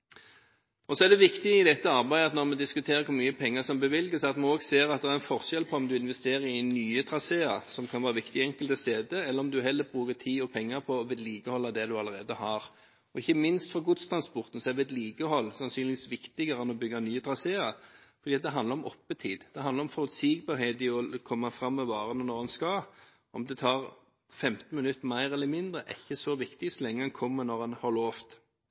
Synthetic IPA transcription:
ɔsɔæʁd̪ɛʋɪkt̪ɪɪd̪ɛt̪ːəɑɾbæɪəɑt̪nɔɾmɛd̪ɪskʉt̪ʰeːɾʁəkʰʊɾmyːəpʰɛŋːəsɔmbəʋɪlɡəsɑt̪mɛnoːɡseːɾɑt̪̚d̪ɛæɾɛnfɔʁʃɛlpʰɔɔmd̪ʉɪnʋɛst̪eːɾəɾɪnyːət̪ʰɾɑseːɑɾsɔmkʰɑnʋɑːɾəʋɪkt̪ɪɛŋkəlt̪əst̪eːd̪əɛlːəɾɔmd̪ʉɦɛlːəbʁʉːkət̪ʰiːɔpʰɛŋːɑɾpʰɔʋeːd̪liːɡəhɔlːɑd̪ɛd̪ʉɑlːəɾeːd̪əhɑɾ | ɔɪçːəmɪnst̪fɔɾɡʊd̪st̪ʰɾɑnspɔɾt̪n̩sɔɛʋeɛd̪liːɡəhɔlːsɑnsyːnlɪʋiːsʋɪkt̪ɪɡəɾəɛnɔbʏɡːɑnyːəd̪ʁɑseːɑfɔɾdiːɑt̪̚d̪ɛɦɑnɾɔmʔɔpːət̪ʰiːd̪d̪̥ɛɑnd̪ɑɾɔmfɔɾʉt̪siːɡ̚bɑːɾheːd̪ɪɔkʰɔmːɑfɾɑmːɛʋɑːɾənənɔɾɛnskɑ | ʔɔmd̪ɛt̪ʰɑːʁ | fɛmt̪n̩mɪnʉt̪ːmæɪɾɛlːəmɪnd̪ɾəʔɪçːəsɔʋɪkt̪ɪsɔlɛŋːəɛnkʰɔmːənɔɾɛnhɑɾloːft̪

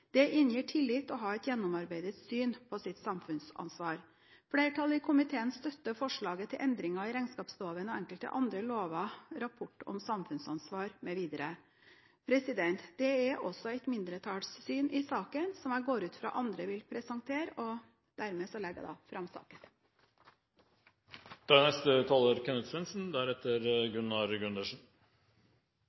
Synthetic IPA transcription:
d̪̥ɛʔɪnjiːʈʰɪlːɪt̪ːɔɦɑːɛt̪jɛnːʊmɑɾbæɪd̪ət̪syːnpʰɔsɪt̪sɑmfʉnsɑ̰nsʋɑːɾ | fleːɾəʈʰɑlːəɪkʰʊmɪt̪ʰeːənst̪œt̪ːəfɔʂɭɑːɡət̪ʰɪlʔɛnd̪ɾɪŋɑɪɾæɪnskɑːpsloːʋənɔɛŋkəlt̪ə̰ʔɑnd̪ɾəloːʋɑɾɑpʰɔʈːɔ̰msɑmfʉnsɑnsʋɑːɾmɛʋiːd̪əɾə | pʰɾɛsɪd̪ɛnt̪d̪̥ɛɛɾɔsɔɛɪt̪mɪnd̪ɾət̪ʰɑːɽssyːnʔɪsɑːkənsɔmæɪɡoːɾʉːt̪fɾɑ̰ːʔɑnd̪ɾəʋɪlpʰɾɛsɑŋt̪ʰeːɾɔ | d̪̥æɾmeːsɔlɛɡə̰æ̰d̪ɑ̰ːfɾɑmsɑ̰ːkən | d̪ʰɑːnɛst̪ət̪ʰɑːləɾkʰɛnəd̪sʋɛnsn̩d̪æɾɛt̪ːəɾɡʉnːɑɾɡʉnd̪əʂn̩

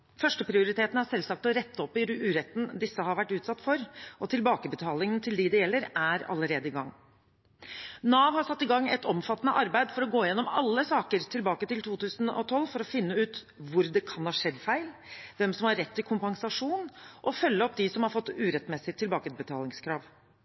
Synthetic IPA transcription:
fœʂʈəpʰɾɪʊɾɪt̪ʰeːt̪n̩æsɛlsɑk̚t̪ɔɾɛt̪ːɔpːɪʉːɾɛt̪ːn̩d̪ɪsːəɦɑɾʋæʈːʉːt̪sɑt̪ːfɔɾʔɔt̪ʰɪlbɑːkəbət̪ʰɑːlɪŋənt̪ʰɪld̪ɪd̪ɛjɛlːəɾæɾɑ̰lːəɾeːd̪əɪɡɑŋː | nɑːʋhɑsɑt̪ːɪɡɑŋːɛ̰t̪ɔmfɑt̪ːnəʔɑɾbæɪd̪fɔɾɔɡoːɪjɛnːɔmɑ̰lːəsɑːkəɾt̪ʰɪlbɑːkət̪ɪlt̪ʰuːt̪ʉːsənɔ̰t̪ʰɔlːfɔɾɔfɪnːəʉːt̪ | ʋʊɾd̪ɛkʰɑnhɑːʂɛd̪fæɪlʋɛmsɔmhɑɾɛt̪ʰːɪlkʰʊmpɑŋsɑʂuːnʔɔfœlːəɔpːd̪ɪsɔmhɑɾfɔt̪ːʉːɾɛt̪mɛsɪt̪ʰːɪlbɑːkəbət̪ʰɑːlɪŋskʰɾɑːʋ

